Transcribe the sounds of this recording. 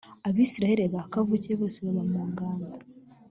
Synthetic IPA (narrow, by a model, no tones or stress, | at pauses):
aβiːsiɾaheɾeβakavuceβo̞ːseβaβamuːŋɡaːnda